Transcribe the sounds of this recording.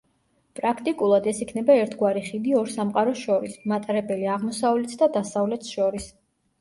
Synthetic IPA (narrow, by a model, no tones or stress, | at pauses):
pʼɾakʰt̪ʼikʼulˠad̪ɛsikʰnɛbaɛɾt̪ʰɡwaɾiχid̪iɔɾsamqʼaɾɔsʃɔɾismat̪ʼaɾɛbɛliaʁmɔsavlɛt̪ʰd̪ad̪asavlɛt̪ʰsʃɔɾis